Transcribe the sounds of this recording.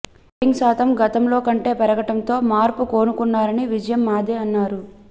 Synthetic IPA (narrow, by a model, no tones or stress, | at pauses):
iŋɡsaːt̪ʰɐmɡɐt̪ɐmlo̞ːkɐɳʈe̞ːpɐɾɐɡɐʈɐnt̪o̞ːmaːɾpuko̞ːnukunːaːɾɐniʋid͡ʒɐjɐmːaːd̪eːɐnːaːɾu